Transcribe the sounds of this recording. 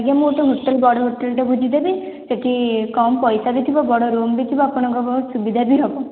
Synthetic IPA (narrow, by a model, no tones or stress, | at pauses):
ɡjamoʈɔɦuʈːɔlbɔɽɔɦuʈːɔlʈɔbʱud͡ʒid̪ebi | d͡ʒɔʈʰikɔmpɔjsabit̪ʰibɔbɔɽɔɾombit̪ʰibɔapɔɽ̃ɔ̃ŋkɔsubid̪ʱabiɦɔbɔ